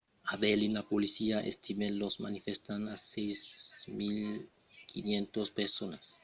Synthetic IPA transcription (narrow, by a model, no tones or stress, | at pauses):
aβelinapolisiaʔḛst̪imelosma̰nifest̪anassejzmil | kinjẽnt̪ospeɾsonas